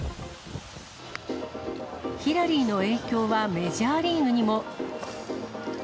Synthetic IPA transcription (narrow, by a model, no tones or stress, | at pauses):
çiɾaɾʲiːno̞e̞ːkʲo̞ːβame̞ʑaːɾʲĩŋɯɲ̟imo̞